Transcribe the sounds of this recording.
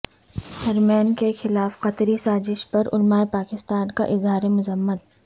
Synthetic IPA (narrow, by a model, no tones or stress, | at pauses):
hɐɾmɛːnkexɪlaːfqɐt̪ɾisaːzɪʃpɐɾʊ̰lmaːepaːkɪst̪aːnka̰ʔɪzɦaːɾemʊzəmːət̪̚